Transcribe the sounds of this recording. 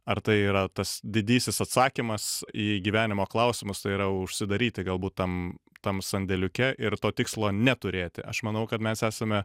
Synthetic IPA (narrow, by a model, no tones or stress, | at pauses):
ɐɾt̪ɐɪiːɾɐt̪ɐsd̪ʲɪd̪ʲiːsʲɪsɐt̪sɑːkʲimɐsiːɡʲiːʋʲæːnʲɪmoːklˠɐʊsʲɪmʊst̪ɐɪiːɾɐjɛʊʊʃʲsʲɪd̪ɐɾʲiːt̪ʲɪɡɐlˠbuːt̪t̪ɐmt̪ɐmsɐnʲd̪ʲɛlʲʊkʲɛʔɪɾt̪oːt̪ʲɪkslˠoːnʲɛt̪ʊɾʲeːt̪ʲɪ̰ʔɐ̰ʃmɐnɐʊkɐt̪mʲɛsæːsɐmʲɛ